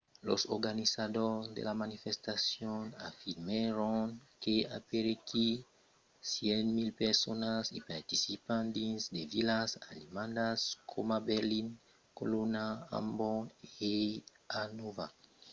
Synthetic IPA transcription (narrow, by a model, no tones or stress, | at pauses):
lo̰soɾɡanisad̪ozd̪ḛlamanifest̪asjona̰fiɾmeɾoŋkea̰peɾeki | sjenmilpeɾsonasḭpaɾt̪isipãnt̪isd̪evilasanimãnd̪askʰomabeɾliŋ | ko̰lonaa̰mboe | anova